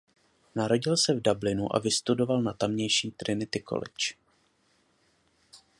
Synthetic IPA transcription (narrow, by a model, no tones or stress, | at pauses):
naɾo̞ɟɪlsɛvdablɪnuʔa̰vɪst̪udo̞valnat̪amɲɛjʃiːt̪ɾɪnɪt̪ɪko̰lɪ̰t͡ʃ